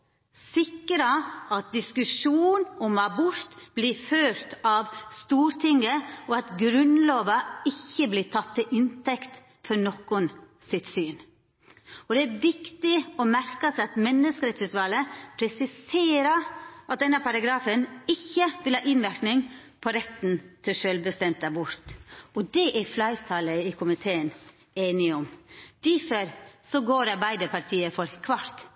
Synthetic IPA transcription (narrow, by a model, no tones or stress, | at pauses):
sɪkːəɾɑɑt̪̚d̪ɪskʉʂuːnɔmɑbʊɾt̪b̥lɪɾføːɾt̪ɑʋst̪uːɾt̪ʰɪŋːəɔɑt̪ɡɾʉnloːʋɑɪçːəblɪt̪ʰɑt̪ːɪlʔɪnt̪ɛkt̪ | fɔɾnɔkːʊn | sɪt̪syːn | ɔd̪ɛæɾʋɪkt̪ɪɔmæɾkəsɛɪɑt̪mɛnːəskəɾɛt̪sʉːt̪ʋɑləpʰɾɛsɪseːɾəʔɑt̪̚d̪ɛnːəpʰɑɾɑɡɾɑːfənɪçːəʋɪlhɑːʔɪnʋæɾknɪŋ | pʰɔɾɛt̪ːn̩t̪ʰɪʂølbəst̪ɛmt̪̚d̪æbʊɾt̪ɔd̪ɛʔæɾflɑɪt̪ʰɑːləɪkʰʊmɪt̪ʰeːən | eːnɪɔmd̪̥ɪfəɾsɔɡoːɾɑɾbæɪd̪əɾpʰɑɾt̪ʰiːəfɔɾkʰʋɑɾt̪